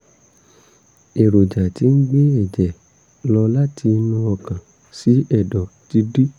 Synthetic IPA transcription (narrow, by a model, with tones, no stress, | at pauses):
e˨ɾo˨d͡ʒa˨ti˧ŋ̩˦ɡ͡be˦ɛ˦˨d͡ʒɛ˨ | lɔ˧la˦tʰi˧nũ˧ɔ˧kã˨ | si˨˦ɛ˦˨dɔ˨ti˧di˦